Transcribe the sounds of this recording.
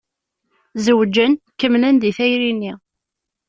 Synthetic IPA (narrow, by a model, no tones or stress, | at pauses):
zəwd͡ʒːənkəmlænd̪iθæjɾinːi